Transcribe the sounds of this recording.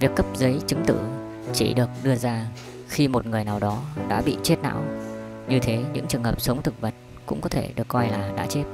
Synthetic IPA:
vi˨˩əkːə˦˥p̚zə˨˦jt͡ɕɨ˨˦ŋt̪ɨ̰˧˩ | t͡ɕḭ˧˩ɗɨ˨˩ək̚ɗɨ˧əzaː˧ | xi˧mo˨˩t̚ŋɨ˨˩əjnaː˨˩wɗɔ˨˦ɗa̰ː˧˥ɓḭ˧˨t͡ɕe˦˥t̚na̰ː˧˥wɲɨ˧t̪ʰe˨˦ɲɨ̰˧˥ŋt͡ɕɨ˨˩əŋɦəː˨˩p̚sə˨˦wŋ͡mt̪ʰɨ˨˩k̚və˨˩t̚ | kʊ̰˧˥ŋ͡mkɔ˨˦t̪ʰḛ˧˩ɗɨ˨˩əkːɔ˧jlaː˨˩ɗa̰ː˧˥t͡ɕe˦˥t̚

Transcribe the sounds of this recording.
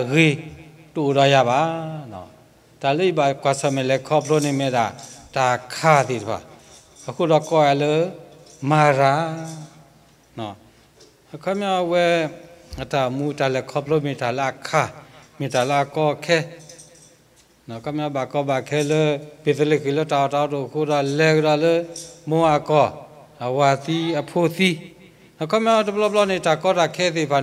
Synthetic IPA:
ɣi˧ | to˨dɔ˧˦ja˧˨ba˨˦nɔ̰˨ | d̥a˨lə˦i˦ba˨kwa˨sɔ˧˨mɛ˨lɛ˨kʰɔ˦pʰlo˦nĩ˧˨me˧˨da˨d̥a˨kʰa˦d̪i˨tə˨pʰa̰˨ | ə˨kʰu˦˨dɔ˧kɔ˦a˧˨lə˦ma˨ɾa˨˦ | nɔ˨ | ə˨kʰɔ˦mjɔ˦wɛ˦ə˨da˨mu˦da˨lɛ˨kʰɔ˦pə˦lo˦me˨da˨la˦ə˨kʰa˦˨me˨da˨la˦ə˨kɔ˦kʰɛ˦ | nɔ̃˨kʰɔ˦mja˦ba˨kɔ˦ba˨kʰɛ˦lə˦b̥e˨t̪ə˦lə˦˨kʰi˨lə˦da˨ɔ˨ta˨ɔ˦to˨kʰo˦ɾa˨lɛ˦˨kə˦ɾa˨lə˦mõ˦a˨kɔ˨ | ə˨wa˨θi˦ə˨pʰo˦t̪i˦ | nɔ̃˨kʰɔ˦mja˦wɛ˦tə˨plɔ˦plɔ˦ne˨da˨kɔ˦da˨kʰɛ˦te˨pa˨

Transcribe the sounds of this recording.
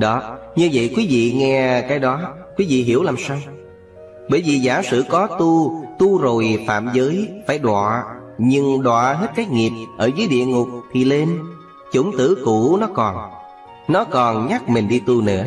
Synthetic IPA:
ɗɔ˨˦ɲɨ˧və̰˧˨jkwi˨˦vḭ˧˨ŋɛ˧kaː˨˦jɗɔ˨˦ | kwi˨˦vḭ˧˨ɦi˧˩əwlaː˨˩msaː˧w | ɓəː˧˩jvi˨˩zaː˧˩sɨ̰˧˨kɔ˨˦t̪u˧t̪u˧zo˨˩jfa̰ː˧˨mzəː˨˦jfaː˧˩jɗwa̰ː˧˨ | ɲɨ˧ŋɗwa̰ː˧˨ɦe˦˥t̚kaː˨˦jŋi˨˩əp̚ʔəː˧˩zəː˨˦jɗḭ˧˨əŋʊ˨˩k͡p̚t̪ʰi˨˩le˧n | t͡ɕʊ˧˩˦ŋ͡mt̪ɨ̰˧˥ku˧˥nɔ˨˦kɔ˨˩n | nɔ˨˦kɔ˨˩nɲa˦˥k̚mi˨˩ŋ̟ɗi˧t̪u˧nɨ̰˧˥ə

